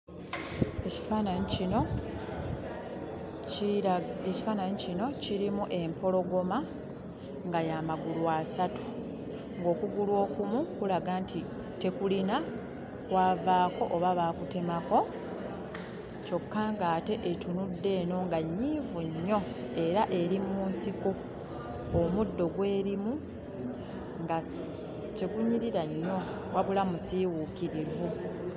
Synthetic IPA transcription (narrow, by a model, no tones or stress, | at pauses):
eci̥faːnaɲicino̞ciɾimuʔe̞mpo̞lo̞ɡo̞ma | ŋɡajamaɡulwasatu̥ | ŋɡo̞ːkuɡulwo̞ːkumukulaɡaːntʰi | te̞kulina | kwaːvaːko̞ʔoβaβaːkute̞mako̞ | co̞kːaŋɡaːte̞ʔetunudːe̞ːno̞ŋɡaɲːiːvuɲːo̞e̞ɾaʔe̞ɾimuːnsikoː | mudːo̞ɡwe̞ːɾimu | ŋɡa | ce̞ɡuɲːiɾiɾaɲːo̞ | waβulamusiwuːkiɾivu